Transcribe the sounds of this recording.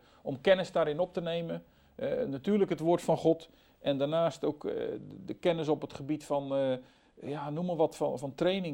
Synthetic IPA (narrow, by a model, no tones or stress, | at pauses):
ɔmkɛnəsdaːɾɪnɔp̚tənejmə | natyːrləkɦətʋoːrtfɔnχɔt | ʔɛndanaːstowkdəkɛnəs̬ɔpətχəbitfɔn | januməʋɔtfnfɑntreːnɪŋ